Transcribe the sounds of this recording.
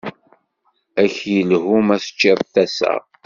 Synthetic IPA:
æçjəlhumæsə̥t͡ʃːəðθæsə̰ʁ

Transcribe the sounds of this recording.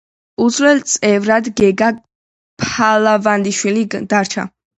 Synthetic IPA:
uzwɛlt̪sʼɛvɾad̪ɡɛɡa | pʰalavand̪iʃwilid̪aɾt͡ʃʰa̰

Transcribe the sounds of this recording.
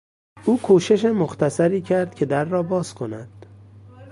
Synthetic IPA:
ʔuːkʰuːʃe̞ʃemoxt̪ʰæsæɾiːcʰæɾd̪̚kʲʰe̞d̪æɾːɒːbɒːz̥kʰo̞næd̪̥

